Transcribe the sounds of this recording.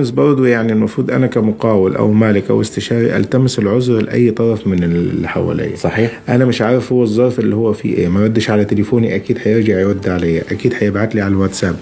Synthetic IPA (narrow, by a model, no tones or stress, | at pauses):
msbɑɾˤd̪ˤujaʕnilmɑfɾˤuːd̪ʔa̰nakamʊqaːwɪlʔa̰wmaːlɪkʔa̰wɪst̪ɪʃɑːɾḭʔa̰lt̪amɪsɪlʕʊzɾlɪ̰ʔa̰jːt̪ˤɑɾˤɑfmɪnɪlːiħa̰wa̰lʔḛːsˤɑħiːħʔanamɪʃʕaːɾˤɪfhʊwːɨzˤːɑɾˤfʔɪlːihʊwːafḭʔḛːmaɾad̪ːɪʃʕalat̪ɪlɪfoːniʔakiːd̪ħajɪɾd͡ʒɑʕawad̪ːʕalajːaʔakiːd̪ħajɪbʕat̪liʕalawat̪saːb